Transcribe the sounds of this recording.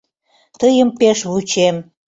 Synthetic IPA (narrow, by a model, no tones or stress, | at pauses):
t̪əjəmpeʃβut͡ɕem